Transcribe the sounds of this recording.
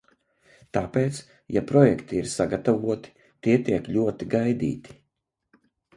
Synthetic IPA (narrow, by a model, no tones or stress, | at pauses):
t̪aːpeːt̪s | japɾɔjɛkt̪iiɾsaɡat̪avuɔt̪i̥ | t̪iɛt̪iɛkʎʲuɔt̪iɡajd̪ḭːt̪i̥